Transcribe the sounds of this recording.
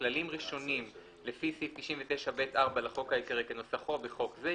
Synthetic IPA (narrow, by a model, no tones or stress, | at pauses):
lalimʁiʃo̞nim | le̞fisift̪iʃinvet̪eʃabet̪ʔaʁbalaχo̞khaekeʁekeno̞saχo̞beχo̞kze